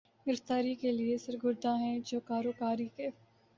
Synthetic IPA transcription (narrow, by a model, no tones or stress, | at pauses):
ɡɪɾɪft̪aːɾikeliesɐɾɡʊɾd̪ʱãɦɛ̃d͡ʒoːkaːɾoːkaːɾikeː